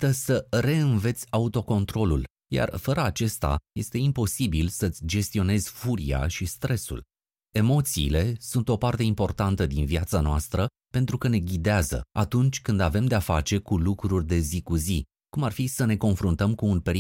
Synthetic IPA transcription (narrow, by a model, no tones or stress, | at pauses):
t̪əsəɾe̞ɨnve̞t̪sʲaut̪o̞ko̞nt̪ɾo̞lṵl | ja̰rfəɾəat͡ʃe̞st̪a̰je̞st̪e̞impo̞sibilsəɨt̪sʲd͡ʒe̞st̪io̞ne̞zʲfuɾḭa̰ʃist̪ɾe̞sṵl | e̞mo̞t̪sḭːle̞sunt̪o̞part̪e̞impo̞rt̪ant̪əd̪inviat̪sanoast̪ɾə | pe̞nt̪ɾukəne̞ɡʲid̪eazə̰at̪unt͡ʃʲkɨnd̪ave̞md̪e̞afat͡ʃe̞kulukɾurʲd̪e̞zikuzi | kumarfisəne̞ko̞nfɾunt̪əmkuːnpe̞ɾi